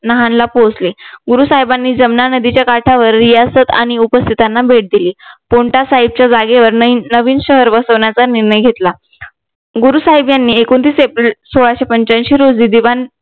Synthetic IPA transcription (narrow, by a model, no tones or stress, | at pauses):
nəɦanlapod͡zleɡuɾusaɦibanːiːd͡zəmnanəd̪it͡ɕjakaʈʰaʋəɾːijasət̪a̰ɽ̃iupəst̪ʰit̪anːabʱeʈ̚d̪iliːpoɳʈasaɦib̚t͡ɕjad͡zaɡeʋəɾnəʋiːnɕəɦəɾʋəsəʋɳjat͡saniɾɳəjɡʱet̪la | ɡuɾusaɦibjanːiːekont̪iːsepɾilsoɭaɕepəɲt͡ɕənɕiːɾod͡ziːd̪iʋan